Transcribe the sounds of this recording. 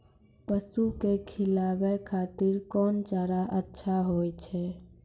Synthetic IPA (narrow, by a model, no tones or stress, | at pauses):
pəsukekʰɪlaːbɛkʰaːt̪ɪɾkɔːnt͡ʃaːɾaʔətːʃʰaɦojt͡ʃʰɛ